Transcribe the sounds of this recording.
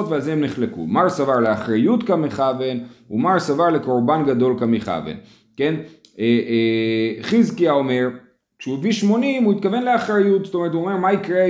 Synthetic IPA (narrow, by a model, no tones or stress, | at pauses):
ot̪vealzeemneχlekṵmaʁsavaʁleaχʁajut̪kameχave̞nṵmaʁsavaʁleko̞ʁbanɡad̪o̞lkamiχa̰vḛn | ke̞n | e | χizkiao̞me̞ʁ | ʃuviʃmo̞nimuit̪̚kave̞nleaχʁajut̪stomeʁet̪̬uo̞me̞ʁmaikʁe